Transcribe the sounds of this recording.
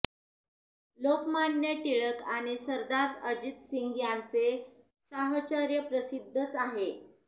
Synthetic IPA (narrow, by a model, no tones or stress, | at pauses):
lokmanjəʈiɭəkaɽ̃isəɾd̪aɾəd͡ʑit̪siŋɡjant͡se | səɦt͡ɕəɾjəpɾəsid̪ʱːət͡saɦe